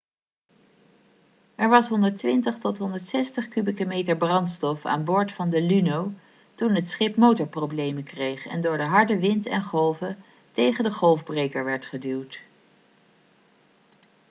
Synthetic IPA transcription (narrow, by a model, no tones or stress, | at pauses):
ɛɹʋɑsɦɔndəɹtʋɪntəχtɔtɦɔndəɹtsɛstəχkybikəmejtəɹbrɑntstɔfa̰ːnbʊːɹtfɑndəlynow | tunɦətsχɪpmowtəɹprowblejməkrejχɛ̰ndʊːɹdəɦɑɹdəʋɪntɛ̰nχɔlˠvə | tejχəndəχɔlˠvbrejkəɹʋɛɹtχədywt